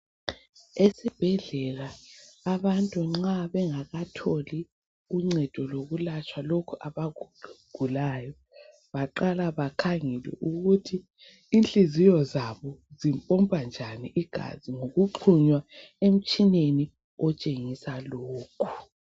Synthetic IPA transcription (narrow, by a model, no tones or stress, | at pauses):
esib̥ʱɛɮɛlaː | βantʼuŋ͡ǁaβɛŋaɣatʰoli | uŋ͡ǀɛd̥ʱɔloɣulat͡ʃʼʰwalokʰuʔaβaɡɡ̥ʱulaːjɔ | βaǃalaβakʰaŋɛlwɛ̰ʔuɣutʰiː | nt͡ɬʼizijɔzaβɔzimpʼɔmpʼand͡ʒʱaniʔiɡ̥ʱa̰ziŋoɣuǃʰuɲwaem̩t͡ʃʼineni | ɔt͡ʃʼeŋisaloːkʰu̥